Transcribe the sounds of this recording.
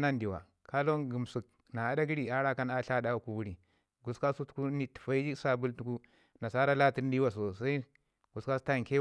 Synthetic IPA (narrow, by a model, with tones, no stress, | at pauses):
na˦ndi˨wa̰˨ | ka˦lo˦nɡu˨m˨su˨k̚ | na˨a˨˦da˦ɡi˦ɾi˨a˦ɾa˦ka˦na˦ɬa˦da˦wku˨wu˦ɾi˨ | ɡu˨ska˦su˦tku˦ni˦ti̥˨fa˦i˦d͡ʒi˦sa˦bu˦ltu˦ku˦ | na˨sa˦ɾa˦la˦ti˦ɾdi˦wa˨s̬o˨sa˦i˦ | ɡu˨ska˦su̥˦ta˦˨ŋ˨ke˦